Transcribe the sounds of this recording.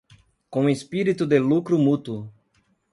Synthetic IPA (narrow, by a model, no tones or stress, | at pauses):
kõespiɾit̪ʊd̪elukɾʊmut̪wʊ